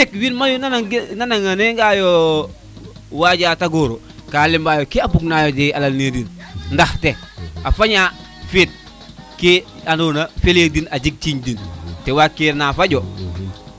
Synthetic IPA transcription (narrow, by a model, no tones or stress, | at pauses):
ekwinmajunanananaŋaneŋɡajo | waɟaːtaɡoːɾo | kaːlimbaːjokiabuɡnajotealalnedinndahteafaɲa | fit̚ | kianoːnafeledinaɟik̚t͡ʃiɲdintewakːeɾnafaɟo